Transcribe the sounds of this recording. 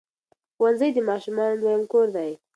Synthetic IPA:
wanzəjd̪əmɑʃumɑnlwajamkoɾd̪aj

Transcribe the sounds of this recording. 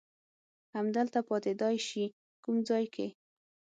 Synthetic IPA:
hamd̪əlt̪apɑt̪ed̪ɑjʃi | kumd͡zɑjkʰe

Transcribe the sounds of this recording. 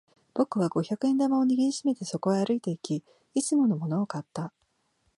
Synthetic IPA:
b̥o̞kɯ̟βaɡo̞çakɯ̟ẽ̞nd̪amao̞ɲ̟iɡʲiɾʲiɕime̞t̪e̞so̞ko̞ɡaːɾɯ̟it̪e̞ikʲiː | t͡sɨmo̞no̞mo̞no̞ːkat̪ːa

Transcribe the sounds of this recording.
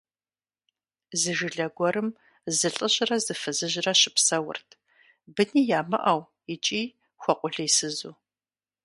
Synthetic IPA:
zɨʒɪɮɐɡʷɔɾɨm | zɨɬʼɨɕʼrɐzɨfɨzɨʑɪrɐɕɪpsɐwʊ̰rtʰ | bɨniːjaːmɨ̰ʔɐw | ɪt͡ʃʼiː | xʷɔqʷʼʊɮɐjsɨzuː

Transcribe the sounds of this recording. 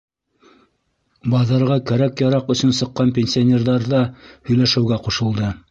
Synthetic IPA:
bɑðɑɾʁɑkæɾækjɑɾɑqɵ̆sɵ̆nsɤ̆qːɑnpʲenʲsʲionʲerðɑɾðɑhɵ̆jlæʃɘ̆wɡæquʃɤ̆lˠd̪ɤ

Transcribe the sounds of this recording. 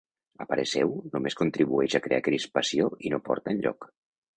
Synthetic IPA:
əpəɾəsɛwnumeskunt̪ɾiβuɛʃakɾea̰kɾispasioinopɔ̰ɾt̪ənʲʎɔ̰k

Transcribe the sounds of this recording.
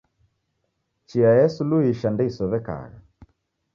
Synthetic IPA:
t͡ʃiajɛsuluiʃandɛisɔβɛka̰ɣa̰

